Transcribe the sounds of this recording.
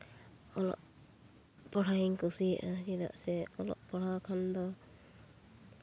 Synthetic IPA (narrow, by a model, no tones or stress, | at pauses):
ɔlɔ̰ʔ | pɔɽaiŋkusiʔad͡ʒid̪a̰ʔsɛɔlɔ̰ʔpɔɽakʰand̪ɔ